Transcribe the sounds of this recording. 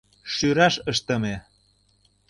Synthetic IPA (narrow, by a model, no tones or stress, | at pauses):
ʃyɾɑʃəʃt̪ə̆me